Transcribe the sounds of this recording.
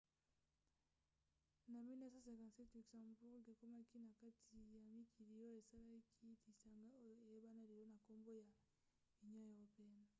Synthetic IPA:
na˨mi˦na˦sa˦sa˨ka˨sɛ˦ti˨ksa˨ŋ˨mu˨pɔ˦kɔ˦ke˨kɔ˦ma˦ki˦na˨ka˦tʰi˨ja˨mi˦kʰi˨ɾi˨ɾɔ˦e˨sa˦la˦kʰi˦ti˨sa˨ŋɡa˦ɔ˦˨e˨ɛ˦ba˦na˦di˨ɾɔ˦na˨kɔ˦mbɔ˦ja˨ | i˨ɲɔ˦jɔ˦ɔ˨pɛ˦na˨

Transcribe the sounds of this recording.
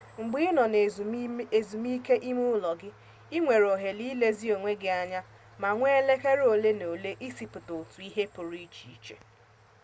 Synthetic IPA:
ŋ͡m̩˨ɡ͡bi˦ɪ˦nɔ˨n˨e˨zu˨mi˦ke˦ʔi˦mu˦lɔ˨ɡɪ˦ | i˦ŋʷe˨ɾo˨ɦe˨li˦le˦zi˦o˨ŋʷe˦ɡɪ˨a˨ɲa˦ | ma˨ŋʷe˦e˦le˦ke˦ɾo˨le˦no˨le˦ʔi˦si˨pʊ˨to˨tu˨i˦ɦe˦pʊ˨ɾi˦i˦t͡ʃi˨i˨t͡ʃḛ˦

